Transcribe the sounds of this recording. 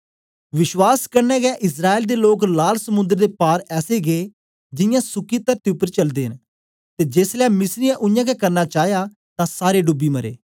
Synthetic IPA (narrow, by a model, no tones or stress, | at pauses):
ʋɪʃwaːskəɾnɛːɡɛːʔɪs̬ɾaːild̪eːloːklaːlsəmʊ̃nd̪əɾd̪eːpaːɾɛːseːɡeː | d͡ʒɪjãːsʊkiːt̪əɾt̪eʊpːəɾt͡ʃəld̪eːɦən | t̪eːd͡ʒeːslɛːmɪsɾɪjãːʔʊjãːkɛkəɾnaːt͡ʃaːɦjaː | t̪ãːsaːɾeːɖʊbːiːməɾḛː